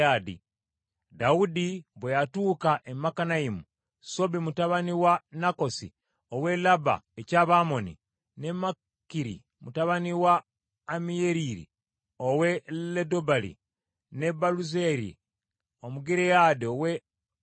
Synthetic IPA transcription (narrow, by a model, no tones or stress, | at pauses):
adḭ | daudiβwejatuːkaʔemakanaimu | so̞bimutaβaniwanako̞sḭ | owe̞laba̰ecaβaːmo̞nḭ | ne̞ma | kiɾḭ | mutaβaniwaː | mijeɾiɾḭ | owe̞ledobalḭ | ne̞baluzeɾḭ | omuɡiɾejadiowe